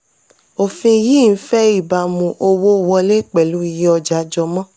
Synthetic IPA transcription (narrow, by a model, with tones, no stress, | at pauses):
o˨fĩ˧ji˦˨n̩˦fɛ˦i˦˨ba˨˧mũ˨ʔo˧wo˦˨wɔ˧le˦k͡pɛ˨lu˨˦i˧ji˦ɔ˧d͡ʒa˨˦d͡ʒɔ˧mɔ̃˦